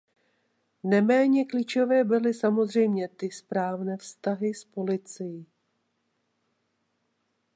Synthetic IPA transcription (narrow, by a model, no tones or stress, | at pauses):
nɛmɛːɲɛklit͡ʃovɛːbɪlɪsamo̞zr̝ɛjmɲɛt̪ɪspɾaːvnɛːfst̪aɦɪspo̞lɪt͡sɪjɪ